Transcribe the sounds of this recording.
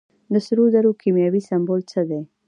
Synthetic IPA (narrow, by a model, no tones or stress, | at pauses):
d̪əsɾuzaɾokʰimjawisambolt͡səd̪e